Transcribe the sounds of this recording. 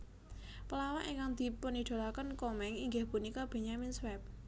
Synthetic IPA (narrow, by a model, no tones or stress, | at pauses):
pəlawaʔiŋkaŋd̪̥i̤pəniɖ̪̥o̤lakənkɔmɛŋiŋɡehpunikɔb̥e̤ɲaminswɛp̚